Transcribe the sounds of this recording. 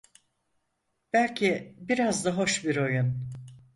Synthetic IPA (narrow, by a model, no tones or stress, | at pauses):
b̥ælʲcʰibiɾazd̪aɦo̞ʃbiɾo̞jun